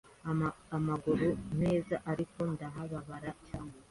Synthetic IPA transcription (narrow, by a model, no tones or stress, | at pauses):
amaɡuɾun̥e̞ːzaʔaɾiko̞ndaɦaβaβaɾat͡ʃaːne